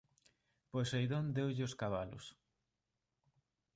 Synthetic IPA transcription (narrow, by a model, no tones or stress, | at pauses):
pojsejðond̪ewʎɪʊskaβ̞alʊ̰s